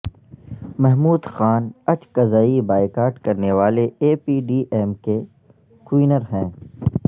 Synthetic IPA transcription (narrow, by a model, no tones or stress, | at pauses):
mɛɦmuːd̪xaːnɐt͡ʃkɐzaːibaːɪkaːɾʈkɐɾneʋaːleeːpiːɖiːʔɛːmke | kwiːnəɾɦɛ̃ː